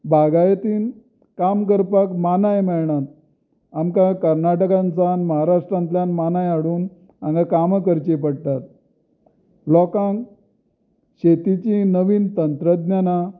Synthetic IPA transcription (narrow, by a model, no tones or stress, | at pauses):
bʱaɡajt̪iːn | kamk̬əɾpakmanajmɛɭɳat̪̚ | amkakəɾnaʈəkãnt͡sanməɦaɾaʂʈɾãnt̪ljanmanajaɽuːn | ã̰ŋɡakaməkəɾt͡ɕepəɽt̪at̪̚ | lɔkãŋk | ɕet̪it͡ɕinəʋiːnt̪ənt̪ɾəd̪njana